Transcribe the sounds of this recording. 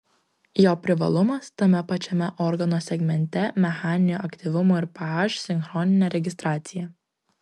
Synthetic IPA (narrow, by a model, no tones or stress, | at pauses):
joːpʲɾʲɪʋɐ̰lˠʊmɐst̪ɐmʲɛpɐt͡ʃʲɛmʲɛʔɔɾɡɐnoːsʲɛɡmʲɛnʲt̪ʲɛmʲɛxɑːnʲɪnʲuɐkt̪ʲiʋʊmoːɪɾpɑɑʃsʲɪŋxɾɔːnʲɪnʲɛɾʲɛɡʲɪst̪ɾɑːt̪sʲɪjɛ